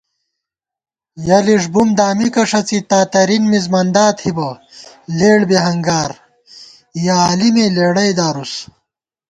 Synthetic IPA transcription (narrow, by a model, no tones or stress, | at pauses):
jɐliʂ̬bumd̪aːmikɐʂɐt͡sit̪aːt̪ɐɾinmizmɐnd̪aːt̪hibɐleːɽbeɦɐŋɡaːɾ | jaaːlimeleːɽɐjd̪aːɾus